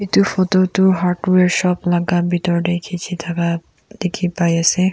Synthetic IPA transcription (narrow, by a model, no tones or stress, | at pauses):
it̪ufot̪ot̪uɦaɾʈueɾʃɔblaɡabit̪ɔɾɖekʰit͡ɕʰit̪ʰaka | d̪ekʰipajase